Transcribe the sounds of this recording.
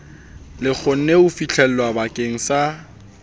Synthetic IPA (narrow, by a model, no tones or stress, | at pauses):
lɪk͡xʰʊn̩neʊfit͡ɬʰɛl̩wabakʼeŋ̩sa